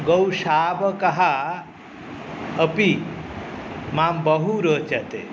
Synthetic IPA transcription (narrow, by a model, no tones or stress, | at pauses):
ɡɐwʃaːbɐkɐɦa | ɐpi | maːmbɐɦuɾəːt͡ʃɐt̪ḛ